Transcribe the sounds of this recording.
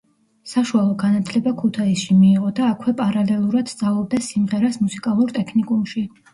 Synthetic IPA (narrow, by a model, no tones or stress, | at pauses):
saʃualˠɔɡanat̪ʰlɛbakʰut̪ʰaisʃimiːʁɔd̪aːkʰwɛpʼaɾalɛlˠuɾad̪̥st̪zʼavlˠɔb̚d̪asimʁɛɾasmusikʼalˠuɾt̪ʼɛkʰnikʼumʃi